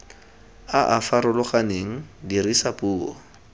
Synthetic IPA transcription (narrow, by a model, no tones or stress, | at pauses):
aʔafaɾʊlʊχaneŋ̩dirisapuːɔ